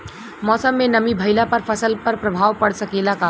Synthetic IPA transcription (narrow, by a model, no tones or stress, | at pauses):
mɔːsəmːenəmibʱəɪlapəɾpʰəsəlpəɾpɾəbʱaːʋpəɽsəkelaka